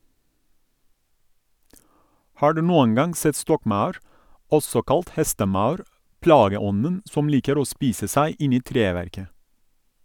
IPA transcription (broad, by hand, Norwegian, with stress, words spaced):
ˈhɑː ˈɖʉː ˈnuːəŋ ˈɡɑŋ ˈsɛt ˈstɔkˌmɑʉɾ ˈɔsɔ ˈkɑlt ˈhɛstəˌmɑʉɾ ˈplɑːɡəˌɔnən ˈsɔm ˈliːkəɾ ˈoː ˈspiːsə ˈsæɪ ˈɪn ˈiː ˈtɾeːʋæɾkə